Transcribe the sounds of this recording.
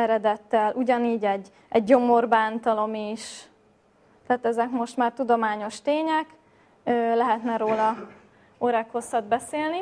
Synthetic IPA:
ɛɾɛd̪ɛt̪ːɛlʔuɟɒniːɟɛɟ | ɛɟːo̞mo̞rbaːnt̪ɒlo̞miʃ | t̪ɛaːt̪ɛzɛkmo̞ʃt̪maːrt̪ud̪o̞maːɲo̞ʃt̪eːɲɛk | øːlɛɦɛt̪nɛɾoːlɒ | oɾɛkho̞sɒd̪bɛseːlni

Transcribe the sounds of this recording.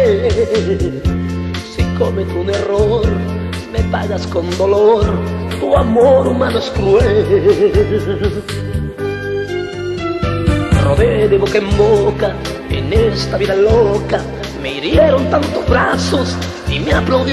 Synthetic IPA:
sikʰomet̪uneror | mepaɣaskond̪olort̪uamoɾumanoskɾuɛ | roðed̪ebokaemboka | ḛnest̪aβiðaloka | meiɾjɛɾont̪ant̪obɾasos | imeaplawd̪i

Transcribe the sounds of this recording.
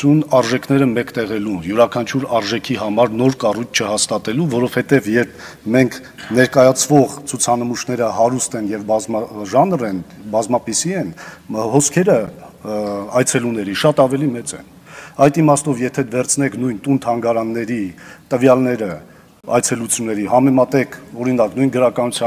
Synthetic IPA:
unɑɾʒɛkʰnɛɾəmɛkt̪ɛʁɛlunjuɾɑkʰɑnt͡ʃʰuɾɑɾʒɛkʰiɦɑmɑɾnɔɾkɑrujt͡sʰt͡ʃʰəhɑst̪ɑt̪ɛluvɔɾɔv̥hɛt̪ɛvjɛɾpʰmɛŋkʰ | nɛɾkɑjɑt͡sʰvɔʁt͡sʰut͡sʰɑnəmuʃnɛɾəhɑɾust̪ɛnjɛvʒɑnrɛnbɑzmɑpisiɛnhɔskʰɛɾə | ɑjt͡sʰɛlunɛɾiʃɑt̪ɑvɛlimɛt͡sɛ̰n | ɑjt̪imɑst̪ɔvjɛt̪ʰɛd̪vɛɾt͡sʰnɛkʰn̪ujnt̪unt̪ʰɑŋɡɑɾɑnːɛɾit̪əvjɑlnɛɾə | ɑjt͡sʰɛlut͡sʰjunːɛɾihɑmɛmɑt̪ɛkʰɔɾin̪ɑknujnɡəɾɑkɑnut͡sʰjɑ

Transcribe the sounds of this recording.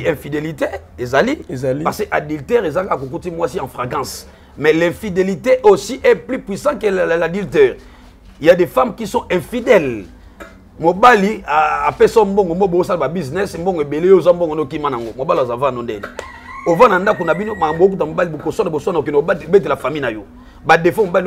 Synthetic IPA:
ɛ̃fideliteezalipaseʔadyltɛʁezakakak̬ok̬utimwasiãfʁekɑ̃s | mɛlɛ̃fideliteʔosiʔɛplypwisɑ̃keladyltɛʁ | jadefamkisɔ̃ʔɛ̃fidɛl | mobaliaapesɔmboŋɡomboosalababiznɛsmbɔŋɡebelejozwambɔŋɡonkimanaŋɡomobaliazavãnondɛ̰l | ovãnandakonabinomakmbook̬ut̬mobalibokosnaboswnkenobet̬elafaminajo | badefɔmobali

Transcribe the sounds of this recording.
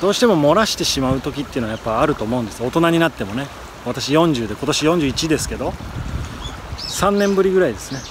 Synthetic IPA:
d̪̥o̞ːɕi̥t̪e̞mo̞mo̞ɾaɕi̥t̪e̞ɕimaɯ̟t̪o̞kʲit̪ːeɯ̟njapːaaɾɯ̟t̪o̞ːmo̞ɯ̃nd̪e̞sɨo̞t̪o̞naɲ̟inat̪ːe̞mo̞ne̞ | βat̪aɕijõ̞ɲ̟d͡ʑɨːd̪e̞ko̞t̪o̞ɕijõ̞ɲ̟d͡ʑɨːit͡ɕid̪e̞sɨ̥ke̞d̪o̞ | sãnːẽ̞mbɯ̟ɾʲiɡɯ̟ɾaid̪e̞sɨne

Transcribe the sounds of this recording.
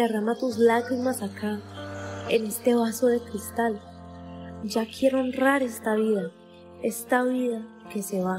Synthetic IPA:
d̪e̞ramat̪uzlaɣɾimasaka | ene̞st̪e̞βaso̞ðe̞kɾist̪al | d͡ʒakʰje̞ɾoonraɾe̞st̪aβiða | e̞st̪aβiða | ke̞se̞βa

